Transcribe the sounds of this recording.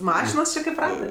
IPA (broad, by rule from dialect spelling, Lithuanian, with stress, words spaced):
ˈmɑːʃʲɪnoːs t͡ʃʲɪ kɐɪp ˈrɑːtɜ